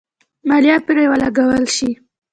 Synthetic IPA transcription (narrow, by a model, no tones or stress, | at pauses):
maljɑpiɾajwalaɡawəlʃi